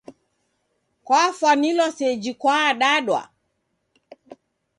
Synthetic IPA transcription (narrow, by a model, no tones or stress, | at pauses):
kwafwanilɔsɛd͡ʒikwaːɗaɗwa̰